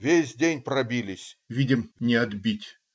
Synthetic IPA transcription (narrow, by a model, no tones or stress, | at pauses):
vʲesʲdʲenʲpɾɐbʲilʲɪsʲvʲidʲɪmnʲɪɐd̪bʲitʲ